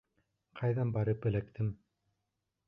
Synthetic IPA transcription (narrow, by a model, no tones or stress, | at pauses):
qʰɑjðɑnbɑɾɤpɘ̆lækt̪ʰɘm